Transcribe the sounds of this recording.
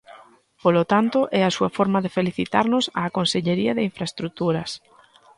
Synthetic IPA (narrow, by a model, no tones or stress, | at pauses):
polot̪ant̪oʔɛasuɐfɔɾmɐðefeliθit̪aɾnʊsa̰ːkonseʎeɾiɐðɪiɱfɾaest̪ɾut̪uɾɐs